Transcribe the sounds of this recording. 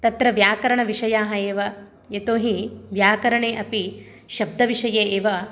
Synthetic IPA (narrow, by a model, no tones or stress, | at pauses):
t̪ɐt̪ɾɐʋjaːkɐɾɐɳɐʋiʂɐjaːɦɐeːʋɐ | jet̪oːɦiʋjaːkɐɾɐɳeːʔɐpi | ʃɐb̚d̪ʱɐʋiʂɐjeːeːʋɐ